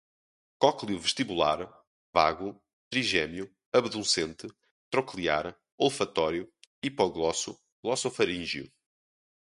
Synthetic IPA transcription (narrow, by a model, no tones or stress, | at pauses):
kɔklˠjuvɨʃt̪iβulˠa̰ɾ | vaɣu | t̪ɾiʒɛmju | ɐβðũsẽnt̪ɨ | t̪ɾɔklˠiaɾ | olˠfɐt̪ɔɾjuipɔɣlˠɔsu | lˠɔsɔfɐɾĩʒju